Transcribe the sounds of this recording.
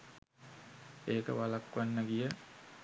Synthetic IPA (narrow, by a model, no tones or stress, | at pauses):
eːkə̰ʋalakʋanːəɡijə